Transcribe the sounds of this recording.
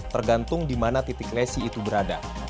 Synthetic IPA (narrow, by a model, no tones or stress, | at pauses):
t̪ərɡant̪ʊŋdimanat̪it̪ɪklɛsiːt̪ubəɾada